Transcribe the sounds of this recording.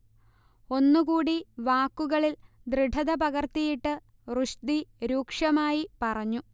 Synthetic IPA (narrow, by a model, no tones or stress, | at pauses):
o̞nːukuːɽiʋaːkːuɣɐɭild̪riɖʱɐðɐpɐɣɐrt̪ijiʈːɨ | ruʂd̪iɾuːkʂɐmaːjipɐrɐɲːu